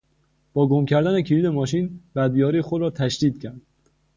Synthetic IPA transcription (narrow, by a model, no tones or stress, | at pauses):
b̥ɒːɡomcʰæɾd̪æne̞cʰiɾiːd̪e̞mɒːʃiːnbæd̪̚bijɒːɾiːxod̪ɾɒːt̪ʰæʃd̪iːd̪̥̚cʰæɾd̪̥